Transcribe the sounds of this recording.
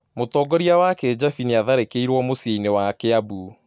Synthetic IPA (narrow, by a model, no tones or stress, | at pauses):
motɔɡɔɾiawaked͡ʒafiniaðaɾekeiɾwɔmoseinewakeabu